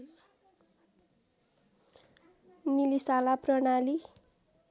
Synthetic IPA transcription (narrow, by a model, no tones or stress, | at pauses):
nilisalaprʌnali